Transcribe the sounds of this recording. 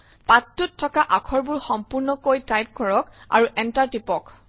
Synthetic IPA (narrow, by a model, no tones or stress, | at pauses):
patːutʰːɔkaʔakʰɔɹbʊɹxɔmpuɹnɔkojtajp̚ɡʰʱɔɹɔka̰ɹuʔɛntaɹtipɔk